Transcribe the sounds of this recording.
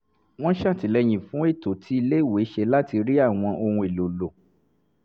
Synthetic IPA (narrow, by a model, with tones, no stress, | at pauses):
w̃ɔ̃˦ʃã˦˨ti˨˦lɛ˧j̃ĩ˨fũ˨˦e˦˨to˨tʰi˦i˧le˦˨we˨˦ʃe˧la˦ti˧ɾi˦a˦˨w̃ɔ̃˧ʔo˧hũ˧e˨lo˨lo˨